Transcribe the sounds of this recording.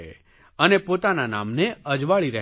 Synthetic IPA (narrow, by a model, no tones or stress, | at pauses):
e | ənepot̪anana̰mneəd͡ʒʋaɭiɾəɦ